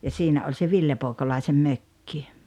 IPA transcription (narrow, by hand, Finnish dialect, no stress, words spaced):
jɑ siːnæ olʲ se ʋilːe poːĕkolɑisem møkːi